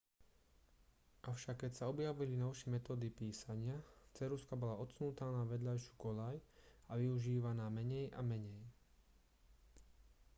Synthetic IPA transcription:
ʔaʊʃakːɛcsaɔbjaʋilinɔʊʃɛmɛt̪ɔːd̪ipiːsaɲɪat͡sɛɾuskabɔlaɔt̪t͡snut̪aːnaʋɛd̪ʎajʃɪukɔlajaʋiuʒiːʋanaːmɛɲɛja̰mɛɲɛj

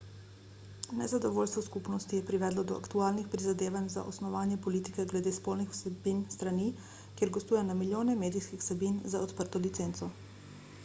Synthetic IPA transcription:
nɛ̰zad̪ɔʋoːlst̪ʋɔskupnɔst̪ijɛpɾiʋɛːd̪lɔd̪ɔ̰a̰kt̪uaːlnixpɾizad̪eːʋanza̰ʔɔsnɔʋaːnjɛpɔliːt̪ikɛɡlɛd̪eːspolnixu̥sɛbinst̪ɾani | kjeɾɡɔst̪uːjɛnamiljoːnɛmeːd̪iskixwsɛbinzaɔt̪pəɾt̪ɔlit̪seːnt̪sɔ

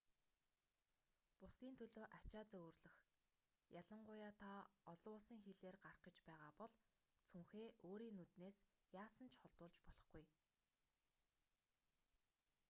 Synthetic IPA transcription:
pʊst̪iːnt̪ʰɵɮoːʔat͡ɕaːt͡sɵwɵ̆rɮɵ̆x | jaɮə̆ɴɢʊjaːt̪ʰaɔɮwʊɮsə̆ŋxiɮeːrɢarχə̆t͡ɕpæːʁaːpɔɮ | t͡sʰɵŋxeːʔoːɾiːŋːut̪neːsjaːsə̆nt͡ɕʰχɔɮt̪ʊːɮt͡ɕpɔɮ̥ɞ̥̆χɡuj

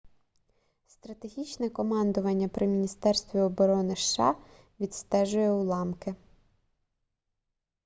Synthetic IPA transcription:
st̪ɾɐt̪eɦʲit͡ʃnɛkɔmɑnd̪ʊʋɐnʲːɐpɾɪmʲinʲist̪ɛrst̪ʋʲiɔbɔɾɔnɪʃːɑ̰ | ʋʲid̪st̪ɛʒʊjɛulˠɑmkɪ

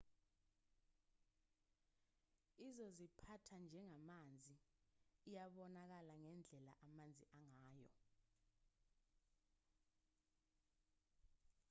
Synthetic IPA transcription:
izɔzipʰatʰand͡ʒʱɛŋamand͡zʱiː | jaɓɔnak̬alaŋɛnd͡ɮʱɛla̰ʔamand͡zʱiʔaŋaːjɔ̰

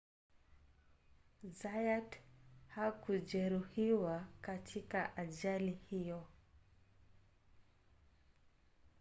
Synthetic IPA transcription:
zajathakuʄɛɾuhiwakatʰikaʔaʄalihijɔ

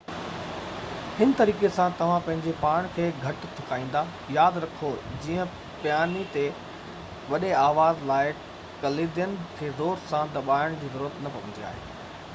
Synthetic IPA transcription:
hɪnt̪ɐɾiːkesãt̪ɐʋ̤ãpɐ̃ɦɪ̃ɲd͡ʑepaːɽ̃kʰeːɡʱɐʈt̪ʰʊkaːĩːn̆d̪a | jaːd̪ɾɐkʰod͡ʑiːə̃ | pjaːnit̪e | ʋɐɗeaːʋaːzlaːɪ | kɐleːd̪ijənɪ̆kʰeːzoːɾsãt̪ɐɓaːɪəɽ̃d͡ʑiːzɐɾuːɾət̪nɐpɐʋɐ̃nd̪ia̰ːɦḛː

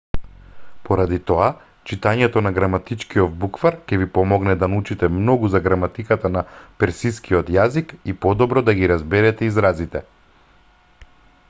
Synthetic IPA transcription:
pɔɾad̪it̪ɔa | t͡ʃit̪aɲɛt̪ɔnaɡɾamat̪it͡ʃkiɔd̪̚bukvaɾkʲɛvipɔmɔɡnɛd̪anut͡ʃit̪ɛmnɔɡuzaɡɾamat̪ikat̪anapɛɾsiskʰiɔt̪jazikipɔd̪ɔbɾɔd̪aɡiɾazbɛɾɛt̪ɛizɾazit̪ɛ

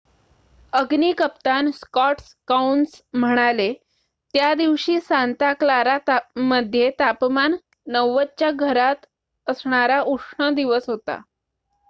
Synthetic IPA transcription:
əɡnikəpt̪anskɔʈskaunsm̤əɽ̃ale | t̪jad̪iʋɕiːsant̪aklaɾat̪aməd̪ʱːjet̪apmanː | əʋːət̪̚t͡ɕjaɡʱəɾat̪ | əsɳaɾaʔuʈʂɳəd̪iʋəsɦot̪a̰

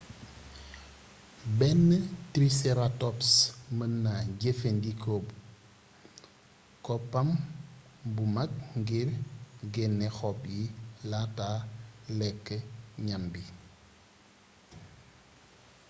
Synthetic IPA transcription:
bɛnːətɾiseɾatɔpsmənːaɟefendikʰob | kɔpam | bumak̚ŋɡiɾɡenːexɔpjilataːlɛkːəɲambi

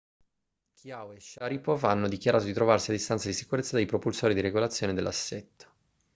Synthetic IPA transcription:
kʰjaweʃːaɾipɔvanːod̪ik̟jaɾaːt̪od̪it̪ɾovarsiad̪ːist̪ant̪ad̪isi̥kuɾet̪sːad̪ejpɾopulsoːɾid̪iɾeɡolat̪sːjoːned̪elʔa̰sːet̪ʰːo̥

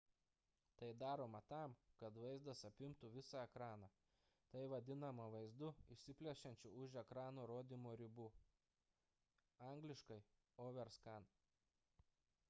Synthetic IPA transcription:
t̪ɐɪd̪ɑːɾoːmɐt̪ɑˑmkɐt̪ʋɐɪzd̪ɐsɐpʲɪmt̪ʊʋʲɪsɑɛkɾɑːnɑː | t̪ɐɪʋɐd̪ʲɪnɐmɐʋɐɪzd̪ʊɪʃʲsʲɪpʲlʲɛʃʲɛnʲt͡ʃʲʊʊʃɛkɾɑːnoːɾoːd̪ʲimoːɾʲɪbuː | ɑˑŋɡlʲɪʃkɐɪ | oːʋʲɛɾskɑn

